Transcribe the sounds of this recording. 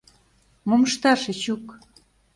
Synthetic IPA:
moməʃt̪ɑʃet͡ɕuk

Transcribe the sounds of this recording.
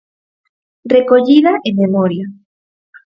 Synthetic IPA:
rekoʎiðaʔememoɾja

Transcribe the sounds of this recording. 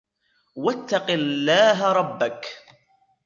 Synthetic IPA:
wat̪ːaqɪlːaːɦaɾˤɑbːak

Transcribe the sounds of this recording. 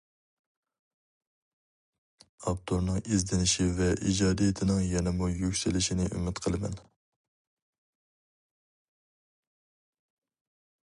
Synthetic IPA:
ɑp̚t̪ʰoɾnɨŋizd̪ɪnɪʃivɛʔid͡ʒɑːd̪ijɪt̪ʰɪnɪŋjɛnɪmujykʲsɪlɪʃɪnɪʔy̰mɪt̪qʰəlˠɨmɛ̰n

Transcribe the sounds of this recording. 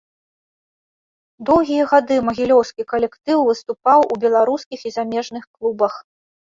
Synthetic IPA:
d̪ɔwɣʲijɐɣad̪ɨmɐɣʲilʲɔwskʲikɐlʲɛkt̪ɨwvɨst̪upawʔubʲɛlˠaɾuskʲixizamʲɛʐnɨxklˠubɐx

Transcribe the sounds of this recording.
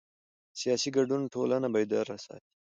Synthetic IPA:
sijɑsiɡaɖunʈʰolanabɑjd̪aɾasɑ̰t̪i̥

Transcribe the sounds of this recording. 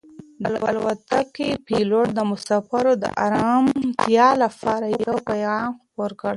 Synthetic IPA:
d̪əlwa̰lwat̪akepiloʈ̚d̪əmʊsɑfaɾod̪ə̰ʔa̰ɾɑmt̪jɑlapɑɾajjawpajɑnxpoɾkəɽ

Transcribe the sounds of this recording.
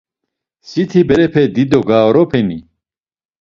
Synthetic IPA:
sit̪ʰibɛɾɛpʰɛd̪id̪ɔɡaːɔɾɔpʰɛni

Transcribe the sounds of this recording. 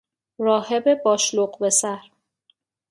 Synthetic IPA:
ɾɒːhebe̞bɒːʃloɢbe̞sæɾ

